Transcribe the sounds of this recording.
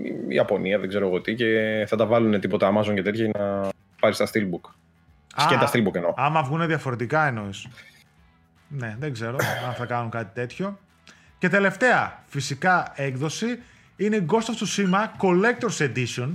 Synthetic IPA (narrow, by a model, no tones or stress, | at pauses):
ḭɐpo̞niɐðeɡze̞ɾoɐɣo̞t̪ice̞θɐt̪ɐvɐlune̞t̪ipo̞t̪ɐɐmɐzo̞ŋcet̪̬ʰçɐinɐ | pɐɾist̪ɐst̪ilbuk | sɐet̪ɐst̪ilbukeno̞ɐmɐvɣune̞ðjɐfo̞ɾe̞t̪ikɐeno̞is | ne̞ðeɡze̞ɾo̞ɐnθɐkɐnuŋkɐt̪i̥t̪e̞t̪ço̞ | ce̞t̪e̞le̞ft̪e̞ɐfisikɐe̞kðo̞si | ine̞iɡo̞st̪ɐft̪usimɐko̞le̞k̚t̪oɾsed̪ison